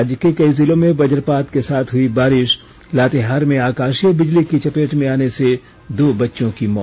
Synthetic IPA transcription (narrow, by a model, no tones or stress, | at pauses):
d͡ʒkekɐizɪlõmẽʋɐd͡ʒəɾpaːt̪kesaːt̪ʰɦʊibaːɾɪʃ | laːt̪eɦaːɾmẽaːkaːʃijəbɪd͡ʒlikit͡ʃɐpeːʈmẽaːnese | d̪oːbɐtːʃõkimɔ̰ː